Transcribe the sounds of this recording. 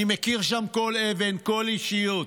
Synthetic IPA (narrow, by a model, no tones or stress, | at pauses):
imekiʁʃamko̞leve̞nko̞liʃiju